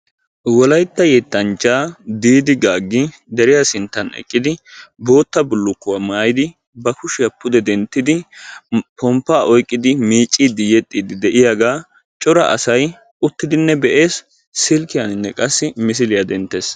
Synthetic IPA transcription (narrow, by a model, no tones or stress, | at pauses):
wɔlɐjt̪ːɐjɛt̪ːɐnt͡ʃʼːaːd̪iːd̪ɪɡaːɡːɪ | d̪ɛɾɪjasɪnt̪ːɐnɛ̰kʼːɪd̪ɪbo̞ːt̪ːɐbʊlːʊkːʊwamaːjɪd̪ɪ | bɐkʊʃɪjɐpʰːʊd̪ɛd̪ɛnt̪ːɪd̪ɪ | pɔmpːaːʔɔjkʼːɪd̪ɪmiːt͡ʃʼːiːd̪ɪjɛt̪ʼːiːd̪ɪd̪ɛʔɪjaɡaː | t͡ʃʼɔɾɐ̰ʔɐ̰sɐj | ʊt̪ːɪd̪ɪnːɛbɛʔe̞ːs | sɪlkɪjanɪnːɛkʼɐsːɪmɪs̬ɪlɪjɐd̪ɛnt̪ːeːs